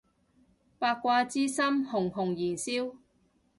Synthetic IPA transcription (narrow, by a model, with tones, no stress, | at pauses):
paː˧kːʷaː˧t͡siː˥sɐ˥mhʊ˨˩ŋɦʊ˨˩ŋjiː˨˩nsiː˥w